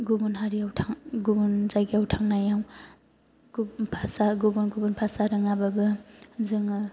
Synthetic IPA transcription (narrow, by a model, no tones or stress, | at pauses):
ɡubunɦaɾiawtʰaŋɡubunzajɡiawtʰaŋnajaw | ɡpʰasaɡubunɡubunpʰasaɾɯŋababɯzɯŋɯ